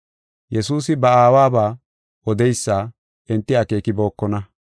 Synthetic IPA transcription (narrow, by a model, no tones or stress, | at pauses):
jɛsuːsɪbɐaːwaːbaː | ɔd̪ɛjsːaː | ɪnt̪ːɪɐke̞ːkɪbo̞ːkːɔnɐ